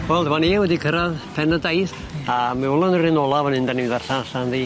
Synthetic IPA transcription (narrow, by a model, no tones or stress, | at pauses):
wɛlˠdmanewɛdikʰəɾaðpʰɛnədajθ | amɪɔlˠʊnərɪnɔlˠavənɪndaniðarɬaɬanði